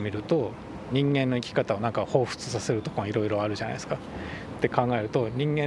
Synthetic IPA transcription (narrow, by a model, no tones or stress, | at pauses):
mʲiɾɯ̟t̪o̞ | ɲ̟ĩŋɡẽ̞nːo̞ikʲi̥kat̪ao̞nãŋkaho̞ːɸɯ̟̥t͡sɨ̥sase̞ɾɯ̟t̪o̞koŋaiɾo̞iɾo̞aɾɯ̟ʑana̰sɨ̥ka | t̪ːe̞kãŋɡae̞ɾɯ̟t̪o̞ɲ̟ĩŋɡẽ̞